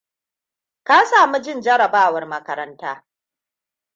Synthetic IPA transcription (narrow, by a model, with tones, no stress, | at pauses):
ka˦saː˨mu˦d͡ʒɪ˦nd͡ʒɐ˦ɽɐ˨baː˦˨wɐ˨rmɐ˦kɐ˨ɾɐ˦ntaː˦